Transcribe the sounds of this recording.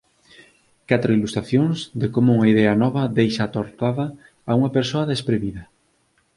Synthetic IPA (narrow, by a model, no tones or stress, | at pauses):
kat̪ɾoilust̪ɾaθjoŋzd̪ekomʊuŋɐiðɛɐnɔβɐðejʃat̪oɾt̪aðɐː | uŋɐpeɾsoɐðespɾeβiðɐ